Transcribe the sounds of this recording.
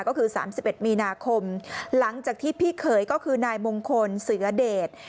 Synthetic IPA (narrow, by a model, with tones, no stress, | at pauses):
kɔː˥˩kʰɯː˧sa̰ː˩˦msi˨˩p̚ʔe˨˩t̪̚miː˧naː˧kʰo˧mla˩˦ŋt͡ɕaː˨˩k̚t̪ʰiː˥˩pʰiː˥˩kʰɤː˩˦jkɔː˥˩kʰɯː˧naː˧jmo˧ŋkʰo˧nsɯ˩˦ɐdeː˨˩t̪̚